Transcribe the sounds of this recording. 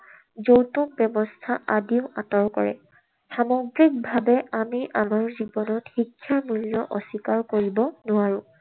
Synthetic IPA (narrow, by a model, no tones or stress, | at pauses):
zowtumbɛmɔstʰaʔadiʊatɔɹkɔ̰ɹɛ̰ | xamɔɡɹik̚bʱabɛʔamiʔamaɹzibɔnɔtxikʰːjamuljɔʔɔsikaɹkoɹibɔnʊaɹʊ̃